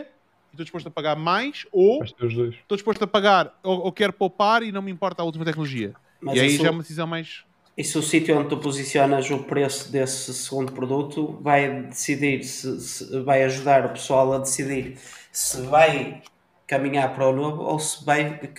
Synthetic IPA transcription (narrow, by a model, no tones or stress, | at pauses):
iʃt̪od̪iʃpoʃt̪ɐpɐɣaɾmajʃoʃt̪euʒðojʃʃt̪oðiʃpoʃt̪ɐpɐɣaɾookɛɾpowpaɾinɐ̃w̃mĩmpɔɾt̪aulˠt̪̬imɐt̪ɛknulˠuʒiɐ | mɐziɐiʒaɛumɐðɨsizɐ̃w̃majʃ | isusit̪juõnd̪̚t̪upuzisjɔnɐzupɾesuðesɨsɨɣũnd̪upɾuðut̪uvajd̪ɨsiðiɾsɨsɨvajɐʒuðaɾɐpɨ̥sualˠɐðɨsiðiɾsɨvaj | kɐmiɲaɾpɐɾɔnoβṵo̰sɨvaj